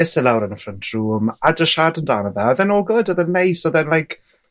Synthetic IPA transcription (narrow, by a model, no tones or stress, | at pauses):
ɪsɛlawɾənəfrəntʰruːmadəʃadəndaːnəðaɔðɛnoːɡɔdɔðɛnːejsɔðɛnlˠajkʰ